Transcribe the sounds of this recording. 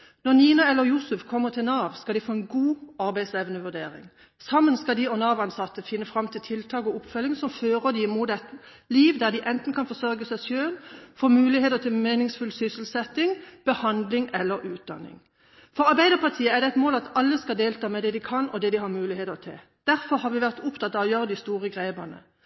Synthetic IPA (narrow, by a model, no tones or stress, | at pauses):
nɔʁniːnɑɛlːəjusʉfkʰɔmːəʁt̪ʰɪlnɑːʋskɑlɪfoːɛnɡuːɑɾbæɪsɛʋnəʋʉd̪ḛːʁɪ̰ŋ | sɑmːənskɑd̪ɪɔnɑːʋɑnsɑt̪ːəfɪnːəfʁɑmːt̪ʰɪlt̪ʰɪlt̪ʰɑːkɔʊpfœlːɪŋsɔmføːʁəd̪ɪɪmuːt̪ɛt̪ | liːʋd̪æʁd̪ɪʔɛnt̪n̩kʰɑnfɔsœɾɡəsæsøːnfoːmʉːlɪeːt̪ət̪ʰɪlmeːnɪŋsfʉlsʏsəl̩sɛt̪ɪŋb̥əhɑnd̪lɪŋɛlːəɾʉːt̪̚d̪ɑ̰nːɪ̰ŋ | fɔʁɑʁbæɪd̪əʁpʰɑʁt̪ʰiːəæʁd̪ɛæɪt̪moːlɑt̪ɑlːəskɑd̪eːlt̪ʰɑːmɛd̪ɛd̪ɪkʰɑnɔd̪ɛd̪ɪhɑːmʉːlɪheːt̪ət̪ʰɪ̰l | d̪̥æʁfɔʁhɑʁʋɪʋæʁt̪ʊpt̪ʰɑt̪ːɑɔjøːʁəd̪ɪst̪uːʁəɡʁeːbənə̰